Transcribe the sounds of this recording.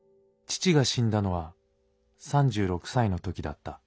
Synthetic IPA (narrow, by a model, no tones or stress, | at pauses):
t͡ɕi̥t͡ɕiɡaɕĩnd̪ano̞βa | sãɲd͡ʑɨːɾo̞kɯ̟̥saino̞t̪o̞kʲid̪a̰t̪ːa